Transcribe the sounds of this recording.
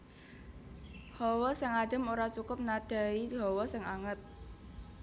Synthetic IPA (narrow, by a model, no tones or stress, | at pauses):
hɔwɔsɪŋaɖ̥ə̤moɾat͡ʃukʊp̚nad̥a̤iɦɔwɔsɪŋaŋət̪̚